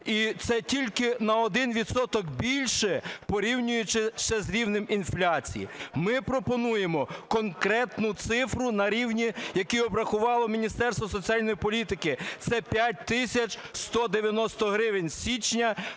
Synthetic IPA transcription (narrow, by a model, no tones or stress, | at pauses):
it̪sɛtʲilʲkɪnɐɔd̪ɪnʋʲid̪sɔt̪ɔkbʲilʲʃɛpɔɾʲiwnʲʊjʊt͡ʃɪʃɛzɾʲiwnɪminflʲat͡sʲḭjḭmɪpɾɔpɔnujemɔkɔnkɾɛt̪nʊt̪sɪfɾʊnɐɾʲiwnʲijɐkiɔbɾɐxʊʋɑlˠɔmʲinʲist̪ɛrst̪ɐsɔt͡sʲialʲnɔjipɔlʲit̪ɪkɪt̪sɛpʲjat̚ʲt̪ɪsʲɐt͡ʃst̪ɔd̪eʋʲjɐnɔst̪ɔɦɾɪʋenʲsʲit͡ʃnʲɐ